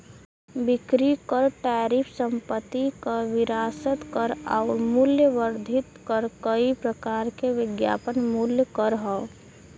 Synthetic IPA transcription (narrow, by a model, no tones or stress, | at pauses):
bɪkɾikəɾʈaːɾipʰsəmpət̪ːikəʋɪɾaːsət̪kəɾa̰ɾmuljəʋəɾd̪ʱɪt̪kəɾkəipɾəkaːɾkeʋɪɡja̰ːpənmuljkəɾɦɔo